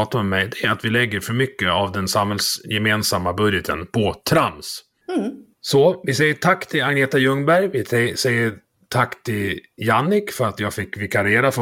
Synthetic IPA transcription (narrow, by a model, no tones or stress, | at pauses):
t̪aɔmːɛjd̪ɛæɾat̪vɪlɛɡːəɾfœɾmʏkːəavd̪ɛnsamhɛlsjɛmeːnsamːabɵd̪jət̪ʰə̰npʰɔt̪ʰɾans | sɔvɪsɛjːəʈʰakːt̪ʰɪlaɡneːt̪ajɵŋːbæɾjvɪɛsɛjːə | ʈʰakːt̪ʰɪljanːɪkfœɾat̪jɑːɡfɪkːvɪkʰaɾeːɾaf